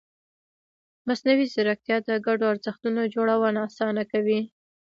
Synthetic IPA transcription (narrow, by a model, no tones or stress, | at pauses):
masnawizɪɾak̚t̪jɑd̪əɡaɖoaɾzəxt̪unod͡ʒoɽawənaːsɑnakawi